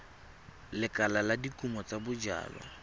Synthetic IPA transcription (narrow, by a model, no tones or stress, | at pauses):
lɪkʼalaladikʼumɔt͡sabʊd͡ʒa̰ːlɔ̰